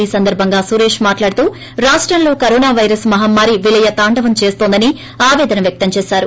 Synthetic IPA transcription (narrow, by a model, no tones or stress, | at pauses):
iːsɐnd̪ɐɾbʱɐŋɡaːsuːɾe̞ːʂmaːʈlaːɽut̪uː | ɾaːʂʈɾɐnlo̞ːkɐɾoːnaːʋɐjɾɐsmɐɦamːaːɾiʋilɐjɐt̪aːɳɖɐʋɐmt͡ʃe̞ːst̪o̞ːnd̪ɐni | aːʋɛːd̪ɐnɐmʋjɐk̚t̪ɐmt͡ʃeːsaːɾu